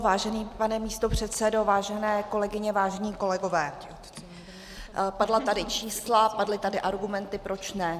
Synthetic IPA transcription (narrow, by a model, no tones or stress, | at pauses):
vaːʒɛniːpanɛmiːst̪o̞pr̝̥ɛt̪sɛdo̞vaːʒɛnɛːko̞lɛɡɪɲɛvaːʒɛɲiːko̞lɛɡo̞vɛː | padlat̪adɪt͡ʃiːslapadlɪt̪adɪʔaɾɡumɛnt̪ɪpɾo̞t͡ʃnɛ